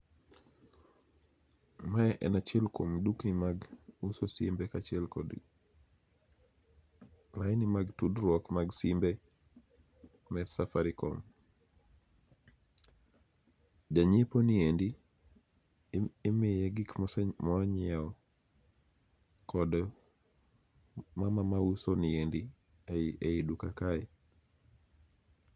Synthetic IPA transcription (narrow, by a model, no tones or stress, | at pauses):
maɛʔɛ̰nat͡ʃɛlkomduknimaɡusosimbɛkat͡ʃɪɛlkɔ̰d | majnimaɡtudɾwɔkmaɡsimbe | mɛsafaɾikom | d͡ʒaɲeponiendi | emɪjɛɡɪkmmɔaɲɛɔ | kɔd | mamamausoniendi | eidukakaɛ